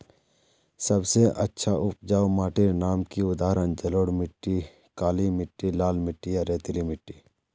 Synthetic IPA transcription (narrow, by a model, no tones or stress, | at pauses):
sɐbseʔɐtːʃʰaʊp̚d͡ʒaːomaːʈiɾnaːmkiʊd̪aːɾənd͡ʒɐloːɽmɪʈːi | kaːlimɪʈːilaːlmɪʈːijaɾeːt̪ilimɪʈːiː